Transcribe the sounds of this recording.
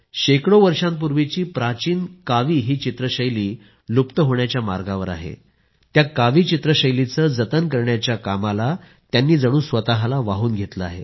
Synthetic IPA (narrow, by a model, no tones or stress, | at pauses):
ɕekɽoʋəɾʂãmpuɾʋit͡ɕiːpɾat͡ɕiːnkaʋiːɦiːt͡ɕit̪ɾəɕəjliː | lupt̪əɦoɳjat͡ɕjama̰ɾɡaʋəɾa̰ɦḛ | t̪jakaʋiːt͡ɕit̪ɾəɕəjlit͡səːd͡zət̪ənkəɾɳjat͡ɕjakamala | t̪janːiːd͡zəɽ̃uːsʋət̪aɦlaʋaɦuːnɡʱet̪ləaɦḛ